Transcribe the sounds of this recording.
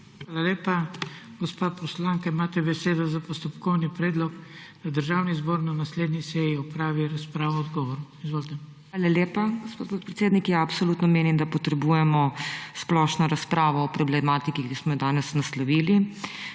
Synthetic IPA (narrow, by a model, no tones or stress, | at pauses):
ʋaːlaleːpaɡɔspaːpɔslaŋkaimaːt̪ɛbɛseːd̪ɔzapɔst̪ɔpkɔwnipɾeːd̪lɔkd̪ad̪əɾʒawnizboːɾnanasleːd̪nisɛjiɔpɾaːʋiɾaspɾaːʋɔɔd̪ɡɔːʋɔɾuizʋoːlt̪ɛ | aːlaleːpaɡospoːt̪̚pot̪̚pɾɛt̪seːd̪nikjaːpsoluːt̪nɔmeːnimd̪apɔt̪ɾɛbuːjɛmɔsplɔʃnɔɾaspɾaːʋɔːpɾɔblɛmat̪ikikismɔjɔd̪aːnɛsnaslɔʋiːli